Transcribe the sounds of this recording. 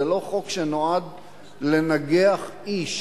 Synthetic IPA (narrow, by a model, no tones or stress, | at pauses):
elo̞χo̞kʃenoad̪ | le̞naɡeaχiʃ